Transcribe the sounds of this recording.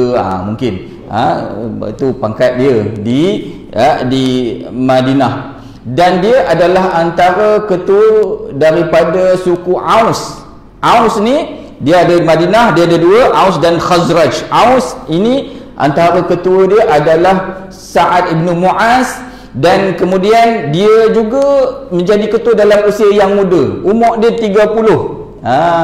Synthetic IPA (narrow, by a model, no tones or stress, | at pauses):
a̰muŋkɪn | a̰ | t̪upaŋkat̪̚diədi | ədimadinah | dandiəʔadalaɦant̪aɾəkət̪uədaɾipadasukuʔaws | ʔawsni | diəadəmãdinahdiəadəduəʔawsdanxazɾad͡ʒʔawsini | ʔa̰nt̪aɾakət̪uədiəʔadalah | saʔat̪̚ibnumuʔas | dankəmũdiandiəd͡ʒuɡamə̃ɲd͡ʒadikət̪uwədalamusiajaŋmũdə̰umɔʔdət̪iɡapulʊh | a